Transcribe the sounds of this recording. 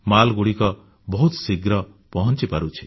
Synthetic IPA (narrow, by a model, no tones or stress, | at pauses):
malɡuɽikɔ | bɔɦut̪siɡɾɔ | pɔɦɔnt͡ʃipaɾut͡ʃʰi̥